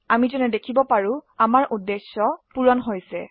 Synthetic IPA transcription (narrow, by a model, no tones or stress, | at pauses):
amizɔnɛdekʰibɔpaɹũamaɹʔudːesːɔpuɹɔnɦojsɛ